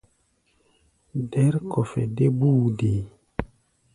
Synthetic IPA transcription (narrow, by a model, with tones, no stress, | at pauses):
dɛ˨˦ɾkʰɔ˨fɛ˨de˦buː˦de˨